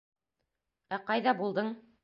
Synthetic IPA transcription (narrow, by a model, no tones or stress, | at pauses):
æqɑjðɑbulˠd̪ɤɴ